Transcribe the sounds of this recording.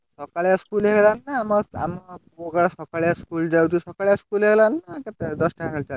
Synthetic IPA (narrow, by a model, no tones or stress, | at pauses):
sɔkaɭjaskulɦeɡɛlanːaːmaa̰mpuoɡaɽasɔkaɭɛjaskuld͡ʒawtisɔkaɭjaskulɦeɡɛlanːakɛt̪ed̪ɔsʈakʰaat͡ʃa